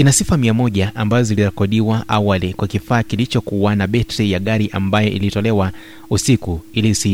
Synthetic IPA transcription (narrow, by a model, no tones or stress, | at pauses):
kinasifamiamɔʄaʔambazɔziliɾɛkɔɗiwaʔawalikwakifaːkilit͡ʃɔkuwanaɓɛtʰɛjaɠaɾiʔa̰mbajɔʔḭlitɔlɛwa | usikuilisi